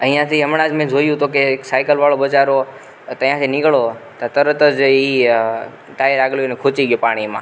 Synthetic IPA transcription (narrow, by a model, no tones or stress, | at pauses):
əĩjãːsʰiɦəmɽaːd͡ʒmẽːd͡ʒʱoːjũt̪oːkeksaːkəlʋaːɭoːɓət͡ʃaːɾoː | t̪əĩãːseːnɪɡɭoːt̪at̪əɾt̪əd͡ʒiː | ʈaːjəɾaːɡljonẽkʰot͡ʃiːɠɪjoːpaːɽ̃iːmã̰ː